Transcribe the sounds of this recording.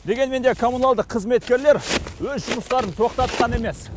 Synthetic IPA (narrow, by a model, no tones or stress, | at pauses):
d̪e̞ɡʲe̞nme̞nd̪e̞kʰo̞munalˠd̪əqʰːəzme̞t̪kʲe̞ɾle̞ɾwɵzʒʊməst̪ɑɾənt̪ʰo̞qt̪ɑt̪qʰɑne̞me̞s